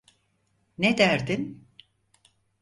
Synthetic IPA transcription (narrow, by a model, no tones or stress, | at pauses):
ned̪æɾd̪in